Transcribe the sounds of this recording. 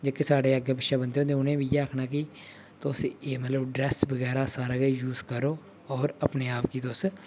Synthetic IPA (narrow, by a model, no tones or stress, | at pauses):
d͡ʒəkːesaːɖeːəɡeːbəʃaːbənd̪eːõːt̪̬eːʊnẽːbiːjeːaːkʰnaːkɪ | t̪osieːmət̪ləbɖɾɛːsbəɣɛːɾaːsaːɾaːɡeːjuːzkəɾoː | ɔːɾəpneːaːpkiːt̪os